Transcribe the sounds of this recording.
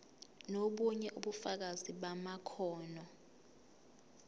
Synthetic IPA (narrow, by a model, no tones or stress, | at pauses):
noɓuɲɛʔuɓufak̬aziɓamakʰɔːnɔ